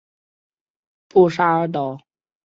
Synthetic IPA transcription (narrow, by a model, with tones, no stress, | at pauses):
pu˥˩ʂa˥ə˧˥t̪ɔ˨˩˦ʊ